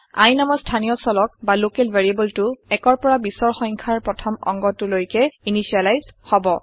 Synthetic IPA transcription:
a̰jnamɔstʰanijɔsɔlɔk̚balokɛlvʱeɹiebɔltʊɛkɔɹpɔɹabisɔɹxɔjŋkʰaɹpɹɔtʰɔmɔ̰ŋɡɔtʊlojkɛinisialajzhɔbɔ

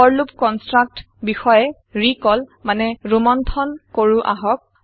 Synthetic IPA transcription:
ɔɹlupkɔnstɹak̚t | bixɔjɛ | ɹikɔlmanɛɹumɔntʰɔnkoɹuʔa̰ɦɔk̚

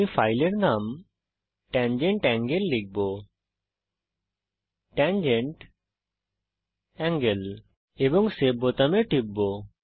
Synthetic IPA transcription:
ifʰajleɾnam | ʈɛnd͡ʑeɳʈɛŋɡelːik̚bo | ʈɛnd͡ʑeɳʈ | ɛŋɡel | ebɔŋsebot̪ameʈib̚ːo

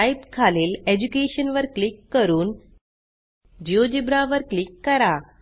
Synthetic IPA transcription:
ajpkʰaleːled͡ʑukeɕənʋəɾklikːəɾuːn | d͡ʑiod͡ʑibɾaʋəɾklikːəɾa

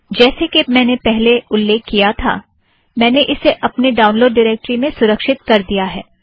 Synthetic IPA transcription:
d͡ʒɛːsekemɛ̃ːnepɛɦleʊlːeːkʰːijat̪ʰa̰ː | mɛ̃ːneʔɪseʔɐpneɖaːʊnloːɖːɪɾeːk̚ʈɾimẽsʊɾəkʃɪt̪̚kɐɾd̪ijaɦɛː

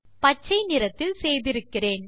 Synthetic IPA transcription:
pɐt͡ʃːɐɪnɪɾɐt̪ːɪlsɛjðɪɾɯkːɪreːn

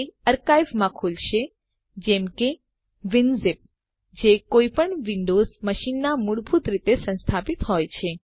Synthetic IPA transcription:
əɾkajʋmãkʰulʃe | d͡ʒɛmke | ʋɪnzɪp̚ | d͡ʒekoipəɳʋiɳɖozməʃinːamuɽbʱut̪ɾit̪esə̃nst̪ʰapit̪ɦɔjt͡ʃʰe

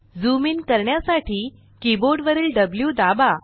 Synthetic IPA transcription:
d͡zumiːnkəɾɳjasaʈiː | kiboɾɖʋəɾiːlɖəbljud̪aba

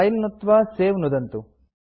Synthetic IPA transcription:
ɐjnnut̪ːʋaːseːʋnud̪ɐnt̪u

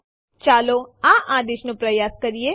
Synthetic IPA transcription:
t͡ʃaːloːãːʔãːd̪eːʃnũpɾəjaːskɐɾieː

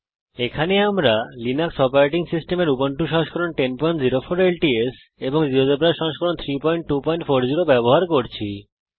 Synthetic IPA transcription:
ekʰaneamɾalinaksɔpaɾeʈ̬iŋsisʈemeɾupoɳʈuʃɔ̃ɦoʃkɔɾonʈenpɔjɳʈziɾofoɾelʈies | eboŋd͡ʑiɦod͡ʑobɾaʃɔ̃ɦʃkɔɾont̪ʰɾipɔjɳʈ̚ʈupɔjɳʈfoɾd͡ʑiɾobɛboɦaɾkoɾt͡ɕʰḭ

